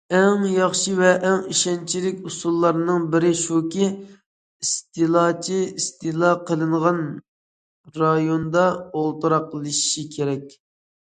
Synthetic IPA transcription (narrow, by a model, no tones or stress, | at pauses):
ɛŋjɑχʃivɛʔːŋiʃɛnt͡ʃʰilɪkʲusulˠːɑɾnɨŋbɪɾɪʃukʲi | ist̪ɨlˠɑt͡ʃʰiist̪ɨlˠɑqʰəlˠɨɴʁɑn | ɾɑjond̪ɑolˠt̪uɾɑqːəlˠɨʃi̥ʃikʲʰeɾɛk̚ʲ